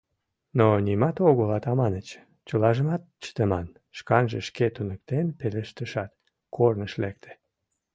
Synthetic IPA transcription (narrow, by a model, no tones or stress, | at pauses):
nonʲimɑt̪oɣolɑt̪ɑmɑnət͡ɕ | t͡ɕəlɑʒəmɑt̪̚t͡ɕə̥t̪əmɑn | ʃkɑnʒəʃket̪unək̚t̪enpeleʃt̪əʃɑt̪ | kornəʃlek̚t̪ʰe̥